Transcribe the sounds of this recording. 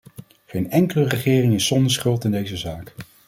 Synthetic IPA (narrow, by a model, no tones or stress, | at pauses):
χejnɛŋkələrəχɪːrɪŋɪsɔndəɹsχɵlˠtɪndejzəzaːk